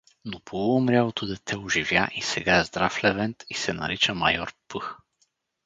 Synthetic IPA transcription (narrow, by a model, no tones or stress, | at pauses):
nopʰolˠʊmɾʲalˠot̪od̪ɛt̪ʰɛʊʒivjaʔisɛɡaɛzd̪ɾaflɛvɛnt̪isɛnɐ̰ɾit͡ʃəmɐjɔɾpɤx